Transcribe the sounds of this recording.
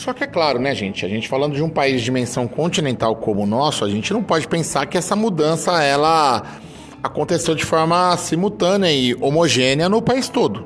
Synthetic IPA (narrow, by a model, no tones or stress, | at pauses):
sɔkɪɛklaɾʊnɛʒẽt͡ʃɪaʒẽnt͡ʃɪ̥falɐ̃nd̪ʊd͡ʒɪũpaizd͡ʒimẽsɐ̃w̃kõnt͡ʃinẽnt̪awkõmʊnɔsʊaʒẽnt͡ʃɪnɐ̃w̃pɔd͡ʒɪpẽsaɾkɪɛsɐmud̪ɐ̃sɐɛlɐ | akõnt̪esewd͡ʒɪfɔɾmɐsimuwt̪ɐ̃nɪɐɪʔomoʒẽnɪɐnʊpaist̪od̪ʊ